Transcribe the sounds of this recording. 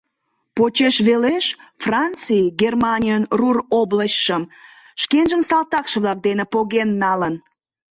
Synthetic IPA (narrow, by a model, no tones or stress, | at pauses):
pot͡ɕeʃβeleʃfrɑnt͡sijɡermɑnʲijənrurobləɕʃəm | ʃkenʒəmsɑlt̪ɑkʃəβlɑk̚d̪enepoɣenːɑlən